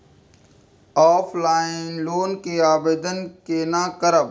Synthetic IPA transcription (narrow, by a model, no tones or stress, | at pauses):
ɔːpʰlaːɪnloːnkeaːbeːd̪ənkeːnãːkəɾəb